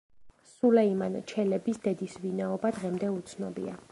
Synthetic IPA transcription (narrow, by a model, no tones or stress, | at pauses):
sulɛimant͡ʃʰɛlɛbisd̪ɛd̪isvinaɔbad̪ʁɛmd̪ɛut̪sʰnɔbḭa